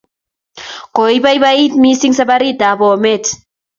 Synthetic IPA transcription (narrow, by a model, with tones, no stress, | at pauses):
ko˨iba˦jβai˦t̪mi˦siŋsabaɾi˦ta˨bo˨met